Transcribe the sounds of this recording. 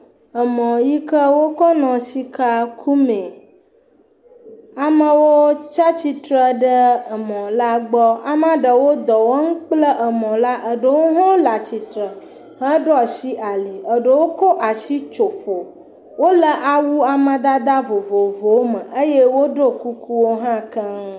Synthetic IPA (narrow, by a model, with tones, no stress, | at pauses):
ə˨mɔ̃˨ji˦kə˦wo˦kɔ˦nɔ̃˨si˦ka˦kʰu˦mẽ˨ | a˨mə̃˨wo˦t͡ʃa˦t͡ɕi˦t̪ɾə˦˨ɖə˦ə˨mɔ̃˨la˦ɡ͡bɔ˦a˨m˦ã˦ɖə˨wo˦d̪ɔ˨wo˦ŋũ˦k͡plə˦ʔə˨mɔ̃˨la˦ʔə˨ɖə˨wo˦ɦɔ̃˦la˨t͡ɕi˨t̪ɾə˨ | hə̃˦ɖɔ˦˨si˦ʔa˨li˨ə˨ɖə˨wo˦ko˦ʔa˨ʃi˦t͡ʃo˨ɸo˨ | wo˦lə˨ʔa˨wu˦a˨mə̃˨d̪a˦d̪a˦vo˨vo˨vo˦mə̃˨ʔə˦je˦wo˦ɖo˦ku˦ku˦wo˦ɦã˦kə˦